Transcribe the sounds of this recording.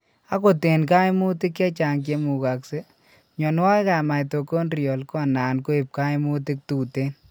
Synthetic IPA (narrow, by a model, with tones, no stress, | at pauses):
a˦ko˨te˨nk̬a˦ɪ˦mu˦tɪ˦kːɛ˦t͡ʃa˨ŋk̬e˦mu˨ka˨kse˦ | ɲɔ˨n˦wa˦ka˨ma˨ɪ˨to˨ko˦nɾiɔ˨lkɔ˦˨na˨nko˦e˨p̚ka˦ɪ˦mu˦tɪ˦k̚tuː˨te˦n